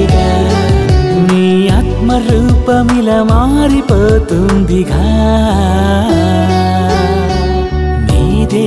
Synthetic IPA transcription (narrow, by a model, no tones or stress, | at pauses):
ɡɐ | miːɐt̪mɐɾuːpɐmilɐmaːɾipɐt̪und̪iɡɐ | niːd̪e